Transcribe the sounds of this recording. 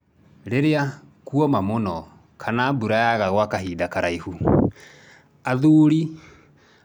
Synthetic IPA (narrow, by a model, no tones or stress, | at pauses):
ɾeɾea | kuɔmamonɔ | kʰanabuɾajaɣaɣwakaɦiːdakaɾaihu | aðuːɾi